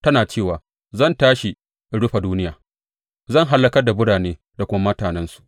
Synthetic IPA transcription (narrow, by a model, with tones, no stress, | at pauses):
tɐ˦naː˨t͡ʃeː˦˨waː˨ | zɐ˦˨ntaː˦ʃi˨ | ɽʊ˦ɸa˨duː˦nɪ˦jaː˨ | zɐ˦˨ŋɦa˦lːɐ˦kɐ˦rda˨bʊ˦ɽaː˨neː˦ | da˨kʷʊ˦ma˦mɐ˦taː˨nɛ˦nsu̥˨ʔ